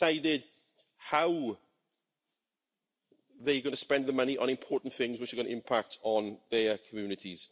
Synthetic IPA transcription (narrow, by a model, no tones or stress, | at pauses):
saɪdɪd | haʊ | ðeɪɡʌnəspɛ̃nðəmʌniʔə̰̃ñɪ̃mpʰɔːˑʔn̩θɪ̃ŋzwɪt͡ʃəɡʌnə̰ɪ̃mpʰak̚tʰn̩ðəkʰəmjʉːnɪtʰiz̥